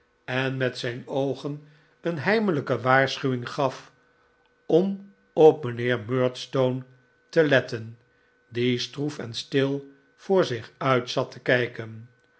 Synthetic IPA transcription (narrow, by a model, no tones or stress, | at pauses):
ɛnmɛtsɛjnowχən | ənɦɛjmələkəʋaːɹsχyʋɪŋχɑf | ɔm | ɔp̚mənɪːɹmøːɹtstown | təlɛtən | distrufɛnstɪlˠ | v̥ʊːɹzɪχœɥtsɑtʰəkɛjkən